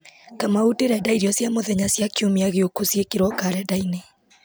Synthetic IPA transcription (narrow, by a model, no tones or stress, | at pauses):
kamauteɾɛdaiɾiɔsjamoðɛɲasjakiomeaɣeokosjekeɾwɔkaɾɛdaine